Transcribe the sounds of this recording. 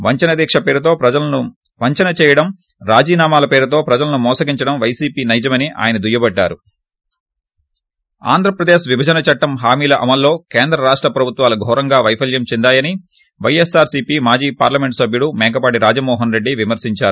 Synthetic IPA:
ʋɐɲt͡ʃɐnɐd̪iːkʂɐpeːɾut̪o̞ːpɾɐd͡ʒɐlɐnuʋɐɲt͡ʃɐnɐt͡ʃɛːjɐɽɐm | ɾaːd͡ʒiːnaːmaːlɐpeːɾut̪o̞ːpɾɐd͡ʒɐlɐnumɔːsɐɡiɲt͡ʃɐɽɐmʋɐjsiːpiːnɐjd͡ʒɐmɐniʔa̰ːjɐnɐd̪ujɐbɐɖːaːɾu | a̰ːnd̪ʱɾɐpɾɐd̪eːʃʋibʱɐd͡ʒɐnɐt͡ʃɐʈːɐmɦaːmiːlɐʔɐmɐlːo̞ːkeːnd̪ɾɐɾaːʂʈɾɐpɾɐbʱut̪ʋaːluɡʱɔːɾɐŋɡaːʋɐjpʰɐljɐmt͡ʃɛnd̪aːjɐni | ʋɐjesaːɾsiːpiːmaːd͡ʒiːpaːɾlɐme̞ɳʈsɐbʱjuɽumɛːɡɐpaːɽiɾaːd͡ʒɐmɔːɦɐnɾe̞ɖːiʋimɐɾsiɲt͡ʃaːɾu

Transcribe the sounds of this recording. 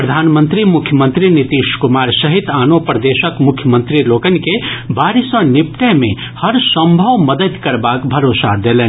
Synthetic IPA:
pɾəd̪ʱaːnmənt̪ɾimʊkʰjəmə̃nt̪ɾinit̪iːʃkʊmaːɾsɐɦit̪aːnopɾəd̪eːʃəkmʊkʰjəmə̃nt̪ɾiloːkənkebʱaːɾisə̃nɪpʈ̪əɦmẽ | hɐɾsə̃mbʱəʋməd̪əd̪kɐɾbaːkbʱɐɾoːsa̰d̪eːlẽː

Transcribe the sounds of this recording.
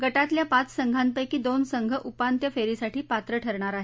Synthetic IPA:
ɡəʈat̪ljapat͡ssəŋɡʱanpəjkiːd̪onsəŋɡʱəʔupant̪jəfeɾisaʈiːpat̪ɾəʈʰəɾɳ̃aɾaɦe

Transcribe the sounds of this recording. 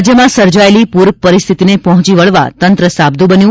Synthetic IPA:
d͡ʒjəmãsəɾd͡ʒaelipuɾk̚pəɾist̪ʰit̪inepɔɦɔ̃t͡ʃiʋəɭʋa̰t̪ənt̪ɾəsab̚d̪ʱũbənjũ

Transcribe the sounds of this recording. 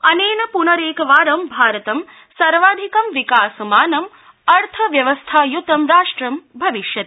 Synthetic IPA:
ɐneːnɐpunɐɾeːkɐʋaːɾɐmbʱaːɾɐt̪ɐm | sɐɾʋaːd̪ʱikɐmʋikaːsɐmaːnɐm | ɐɾt̪ʰɐʋjɐʋɐst̪ʰaːjut̪ɐmɾaːʂʈɾɐmbʱɐʋiʃjɐt̪

